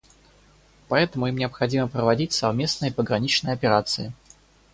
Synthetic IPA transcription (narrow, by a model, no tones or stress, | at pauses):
pɐɛt̪əmʊimnʲɪəpxɐdʲiməpɾəvɐdʲitʲsɐvmʲe̞snɨjəpəɡɾɐnʲit͡ɕnəjəɐpʲɪɾat̪sɨɪ